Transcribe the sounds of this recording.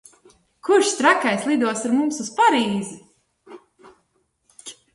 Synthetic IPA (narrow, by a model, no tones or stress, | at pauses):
kuʃst̪ɾakajslˠid̪uɔsaɾmumsuspaɾiːzɪ